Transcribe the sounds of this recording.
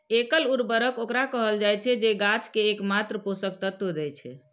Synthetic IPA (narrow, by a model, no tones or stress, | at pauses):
ekəluɾbəɾəkokɾakəɦəld͡ʒajt͡ʃʰɛd͡ʒeɡat͡ʃkeːkmat̪ɾəposək̚t̪ət̪əd̪ɛt͡ʃʰɛ̰